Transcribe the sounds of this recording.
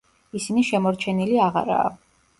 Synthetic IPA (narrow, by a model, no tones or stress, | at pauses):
isiniʃɛmɔɾt͡ʃʰɛniliaʁa̰ɾa̰ː